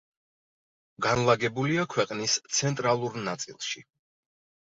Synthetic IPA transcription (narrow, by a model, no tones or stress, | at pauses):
ɡanlˠaɡɛbuliakʰwɛqʼnist̪sʰɛnt̪ʼɾalˠuɾnat̪sʼḭlˠʃi